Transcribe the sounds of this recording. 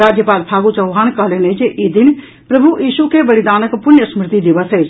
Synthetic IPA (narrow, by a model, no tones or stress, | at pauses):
aːd͡ʒjəpaːlpʰaːɡut͡ʃɐwaːnkəlened͡ʒeʔid̪ɪn | pɾɐbʱujiːʃukebɐlɪd̪aːnəkpʊnjəsmɾɪt̪id̪ɪʋəseː